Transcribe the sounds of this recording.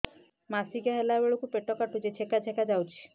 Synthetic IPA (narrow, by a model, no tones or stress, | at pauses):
masiɡaɦelabeɭukupeʈɔkaʈud͡ʒet͡ʃʰekat͡ʃʰekad͡ʒawt͡ʃʰi̥